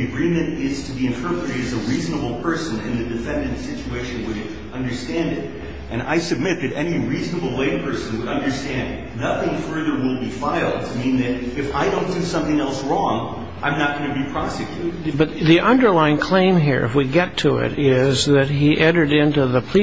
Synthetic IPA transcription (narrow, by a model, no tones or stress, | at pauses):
ɨɡɹĩmɨ̃ntɪz̥tʰɨbiɨ̃ntʰɜ˞pəɾɨɾɨzəɹiznəbl̩ˠpʰɜ˞sɨ̃nɪ̰̃nðɨdɨfɛ̃ndɨ̃ntsɪt͡ʃueɪʃɨ̃nwɪ | ʌ̃ndə˞stæ̃ndɨɾ | ʔɨ̃ña̰ɪsɨb̚mɪt̪̚ðɨɾɛ̰niɹiznəbl̩ˠweɪpʰɜ˞sɨ̃n̩wəɾʌ̃ndə˞stæ̃n | nʌθɪ̃ŋfɜ˞ðə˞wɪlˠbifaɪlˠd̚tʰɨmĩnðɨɾɨfaɪdõʊ̃nd̥ɨsʌ̃mθɪ̃ŋɛlˠsɹɔ̃ŋ | ʔã̰ɪ̃mnət̚ɡ̥ʌñɨbipʰɹ̥ɑsɨkʰj̥ʉɾɨdbʌt̪ðiʔʌ̃ndə˞laɪɪ̃ŋkʰl̥ẽɪ̃mɦḭɹɨ̰fwiɡɛtʰɨɪ̰ɾɪzðɨt̚ɦiʔɛ̃ɾə˞ɾɪ̃ntʉðəpʰl̥i